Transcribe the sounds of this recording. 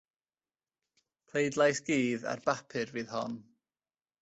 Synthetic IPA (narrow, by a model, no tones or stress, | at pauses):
pʰl̥ejdlˠajsɡ̥iːða̰rbapʰɨrviːðhɔ̰n